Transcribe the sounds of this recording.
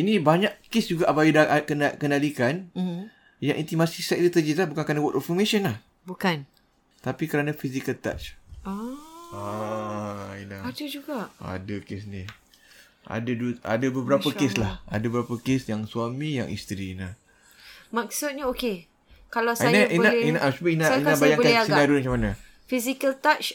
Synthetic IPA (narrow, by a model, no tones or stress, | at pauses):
inibaɲaʔkesd͡ʒuɡaʔabajidakənakəndalikan̩ | jaŋʔint̪imasisak̚t̪ət̪əd͡ʒislahbukankanãwɔt̪ɔfɔmeʃənlah | bukan | t̪apikəɾanãfisikəlt̪a̰t͡ʃaa | inaadəd͡ʒuɡaʔa̰dəkesni | a̰dadua̰dabəbəɾapəkeslaha̰dəbəɾapəkesjaŋsuamĩja̰ŋḭst̪ɾina | maksʊt̪̚ɲaoke | kalawsiajnaʔinainaʔasubəinanabajaŋbkainadumat͡ʃamanã | fisikəlt̪at͡ʃ